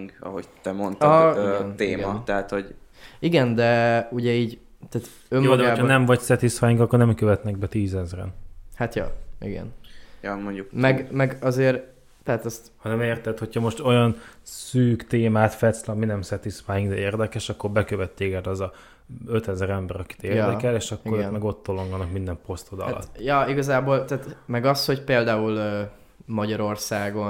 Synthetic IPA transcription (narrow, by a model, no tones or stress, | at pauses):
ŋɡɒ̰ɦo̰ɟt̪ɛmont̪nt̪eːmɒt̪ɛɦat̪ho̞ɟiɡɛnd̪ɛuɟɛiːɟ | t̪aːt̪ | ømːjoːd̪ɛɡaoːbʰɔnɛɱvɒcsɛt̪isfaːjiŋkɒkːornɛmkøvɛt̪nɛɡ̚bɛt̪iːzɛzrɛ̰nhat̪jɒ̰ʔḭɡɛ̰njɒmoɲɟukmɛɡmɛɡɒzeːɾ | t̪ɛɦaːt̪ɒst̪hɒnɛmeːrt̪ɛt̪ho̞cʰhɒmo̞ʃt̪o̞jɒnsyːkt̪eːmaːt̪fɛt̪slɒminɛmsɛt̪ismaːjiŋɡd̪ɛeːrd̪ɛkɛʃɒkːo̞rbɛkøvɛt̪ːeːkɛt̪ɒzɒ | øt̪ɛzɾɛmbɛɾɒki̥t̪eːrd̪ɛkɛleːʃɒkːoɾønmɛɡo̞t̪ːolo̞ŋɡonɒkmind̪ɛmpo̞st̪od̪ɒ̰lɒ̰tt̪ːjɒiɡɒzaːbolt̪aːt̪mɛɡɒsho̞cpeːld̪aːulø | mɒɟɒɾo̞rsaːɡo̞